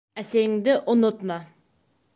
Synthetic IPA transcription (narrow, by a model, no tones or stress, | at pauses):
ɛseŋd̪ɪʔʊnʊt̪mɑ